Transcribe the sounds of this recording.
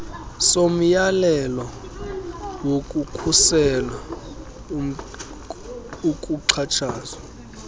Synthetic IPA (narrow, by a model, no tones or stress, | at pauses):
som̩jalɛlɔ | wokʼukʰusɛla | ukʼuǀʰat͡ʃʰaːza